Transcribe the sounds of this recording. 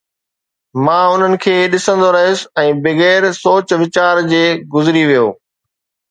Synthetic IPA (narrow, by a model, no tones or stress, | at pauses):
mãːʊn̤ənɪ̆kʰeːɗɪsə̃nd̪oɾɐɦijʊsɛ̃ːbɪɣɛːɾsoːt͡ɕʋɪt͡ɕaːɾd͡ʑeːɡʊzɾiʋijo̰ː